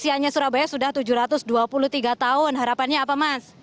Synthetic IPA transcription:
siaɲasuɾabajasudaht̪ud͡ʒuɾat̪ʊsduapuluht̪iɡat̪aʊnɦaɾapanɲaːpamas

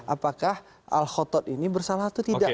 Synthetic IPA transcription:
ʔapakah | a̰lxɔt̪ɔt̪inibərsalaɦat̪ːut̪ida

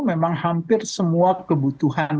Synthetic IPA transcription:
memaŋhampɪrsəmuakəbut̪uɦan

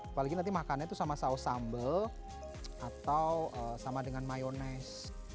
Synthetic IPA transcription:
paliɡinant̪̬imakanɲat̪usamasausambəl | ʔat̪awʔəsamadəŋanmajonɛs

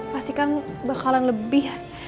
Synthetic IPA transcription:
mast̪ikan | bərkalanləbɪh

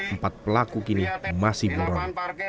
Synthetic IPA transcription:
əmpat̪̚pəlakukinimasɪhbuɾɔn

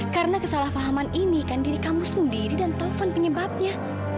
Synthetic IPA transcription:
kaɾənakəsalahfaɦamaninikandiɾikamusəndiɾidant̪ɔfɔnpəɲəbap̚ɲa

